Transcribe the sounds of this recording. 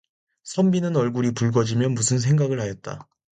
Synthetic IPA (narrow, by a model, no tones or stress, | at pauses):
sʰʌmbinɯnʌɭɡuɾipuɭɡʌd͡ʑimjʌnmusʰɯnsʰe̞ŋɡaɡɯɭhajʌt̚t͈a̰